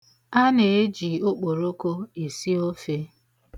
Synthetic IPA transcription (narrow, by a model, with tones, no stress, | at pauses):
a˦ne˨e˦d͡ʒi˨o˦k͡po˨ɾo˦ko˦e˨si˦o˦fe˦